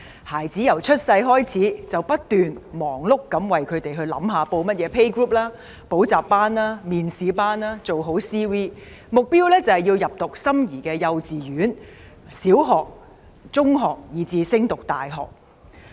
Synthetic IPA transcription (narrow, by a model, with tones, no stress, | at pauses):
haː˨˩jt͡siː˨˥jɐ˨˩wt͡ʃʰɵ˥t̚sɐ˧jɦɔː˥jt͡sʰiː˨˥t͡sɐ˨wpɐ˥t̚t̪yː˨nmɔː˨˩ŋlʊ˥kːɐ˨˥mwɐ˨jkʰɵ˨˧ɥt̪e˨jɦɵ˧ɥlɐ̰˨˥mɦaː˨˧po˧wmɐ˥t̚jɛː˨˧pʰe˥jkɹuː˥p̚laː˥ | po˨˥wt͡saː˨p̚pːaː˥nlaː˥miː˨nsiː˨˧paː˥naː˥t͡so˨wɦo˨˥wsiː˥wiː˥ | mʊ˨k̚piː˥wlɛː˥t͡sɐ˨hɐ˨˩jiː˧wjɐ˨p̚t̪ʊ˨k̚sɐ˥mjiː˨˩kɛː˧jɐ˧wt͡siː˨˩jyː˨˥n | siː˨˥wɦɔː˨˩k̚ | t͡sʊ˥ŋɦɔː˨k̚jiː˨˧t͡siː˧sɪ˥ŋt̪ʊ˨k̚t̪a̰ː˨jɦɔ̰ː˨˩k̚